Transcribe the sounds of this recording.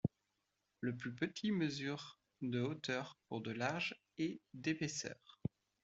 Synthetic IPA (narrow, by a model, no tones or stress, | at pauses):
ləplypət̪ʰiməzyʁ | d̪əot̪œʁpuʁd̪əlaʒ | ɛd̪epesœ̰ːʁ